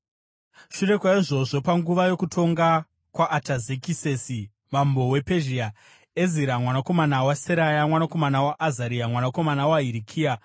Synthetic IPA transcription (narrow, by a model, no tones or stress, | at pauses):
ʃure̞kwaiʐo̞ʐo̞paŋɡuʋajo̞kutʰo̞ŋɡa | kwaʔːtazekisesi | mambo̞we̞peʒia | e̞ziɾamwanako̞manawaseɾajamwanako̞manawaʔːzaɾiamwanako̞manawaɦiɾikʰiːa